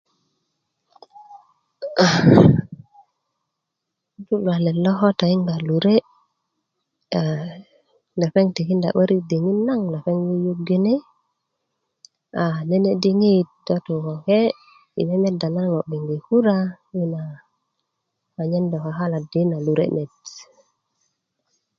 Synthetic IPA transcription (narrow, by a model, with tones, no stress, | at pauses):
a˨˦ | tu˦lwa˨le˨lo˦xo˦ta˨i˦ŋɡa˨lu˨ɾe˦ | a˨ | nda˨fe˦ŋti˨ki˦nda̰˨ɓe˦ɾi˦di˨ŋi˦nːa˦ŋna˨fe˦ŋju˦ju˦ɡi˦ni˦ | a˨ne˦ne˦di˦ŋi˦t̚do˦t̪u˨ko˨ke˦ | ḭ˨ne˦me˦da˨na˦ŋo˨bi˨ŋɡi˨ku˦ɾa˦ji˦na˨ | wa˨ɲe˦ndo˨ka˨ha˦la˨di˨˦na˨lu˨ɾḛ˦me˨t